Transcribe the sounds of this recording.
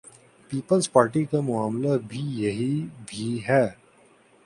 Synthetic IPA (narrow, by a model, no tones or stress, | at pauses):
piːpəlzpaːɾʈikamʊaːmlabʱijɐɦibʱiɦɛː